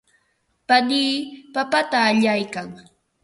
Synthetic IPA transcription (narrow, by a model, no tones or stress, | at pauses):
paniːpapat̪aːʎajkaŋ